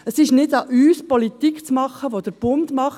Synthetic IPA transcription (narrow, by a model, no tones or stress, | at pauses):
əsɪʃnɪdɑʔyːspɔlit̪ikt͡smɑχːəʋod̪əɾb̥ʊmdmɑχ